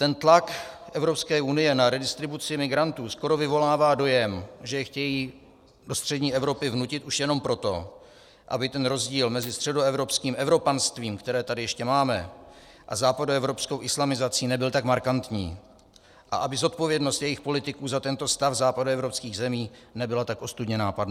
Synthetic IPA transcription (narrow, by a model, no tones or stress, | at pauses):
t̪ɛnt̪lak | ʔɛvɾo̞pskɛːʔunɪjɛnaɾɛdɪst̪ɾɪbut͡sɪmɪɡɾant̪uːsko̞ɾo̞vɪvo̞laːvaːdo̞jɛmʒɛjɛxcɛjiː | do̞st̪r̝̥ɛdɲiːʔɛvɾo̞pɪvnucɪt̪ʔuʃjɛno̞mpɾo̞t̪o̞ | ʔa̰bɪt̪ɛnɾo̞zɟiːlmɛzɪst̪r̥ɛdo̞ɛvɾo̞pskiːmʔɛvɾo̞panst̪viːmkt̪ɛɾɛːt̪adɪjɛʃcɛmaːmɛ̰ | ʔa̰zaːpadoɛvɾo̞psko̞wʔɪslamɪzat͡siːnɛbɪlt̪akmaɾkant̪ɲḭː | ʔa̰ʔabɪzo̞t̪̚po̞vjɛdnost̪jɛjɪxpo̞lɪt̪ɪkuːzat̪ɛnt̪o̞st̪afzaːpadoɛvɾopskiːɣzɛmiːnɛbɪlat̪akʔo̞st̪udɲɛnaːpadna